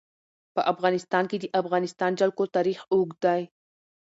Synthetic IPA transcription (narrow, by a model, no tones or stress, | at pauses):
pəʔafɣɑnɪst̪ɑnked̪əʔafɣɑnɪst̪ɑnd͡ʒalkot̪ɑɾixoɡd̪aj